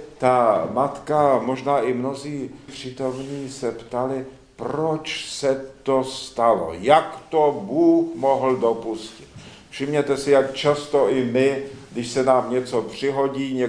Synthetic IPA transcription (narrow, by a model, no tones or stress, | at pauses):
t̪amat̪kamo̞ʒnaːʔɪmno̞ziːpr̝̥ɪt̪o̞mɲiːsɛpt̪alɪ | pɾot͡ʃsɛt̪ost̪alo̰jakt̪obuːxmoɦl̩do̞puscɪ̥t̪ | fʃɪmɲɛt̪ɛsɪjakt͡ʃast̪oʔɪmɪdɪʃsɛnaːmɲɛt͡so̞pr̝̥ɪɦo̞ɟiːɲɛ